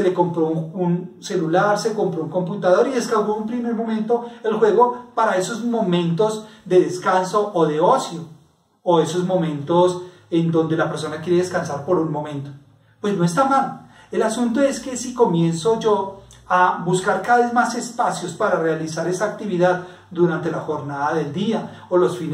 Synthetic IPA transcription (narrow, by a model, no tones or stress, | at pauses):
se̞le̞ko̞mpɾo̞unse̞lulaɾseko̞mpɾouŋko̞mput̪að̞o̞ɾieskawɡoumpɾime̞ɾmo̞mẽnt̪o̞e̞lxwe̞ɣo̞paɾae̞sozmo̞mẽ̞nt̪o̞zd̪e̞ðe̞skanso̞ʔoðe̞osjoː | e̞so̞zmo̞mẽ̞nt̪o̞s | end̪õ̞nd̪e̞lape̞ɾs̬o̞nakje̞ɾee̞skansaɾpo̞ɾunmo̞mẽ̞nt̪o | pwe̞zno̞e̞st̪amal | e̞lasunt̪o̞e̞ske̞siko̞mje̞nso̞d͡ʒo̞ | abuskaɾkaðaβe̞zmase̞spasjo̞spaɾarealisaɾe̞saːk̚t̪iβiðað | d̪uɾant̪e̞laxo̞ɾnaðaðe̞ld̪ia | olo̞sfin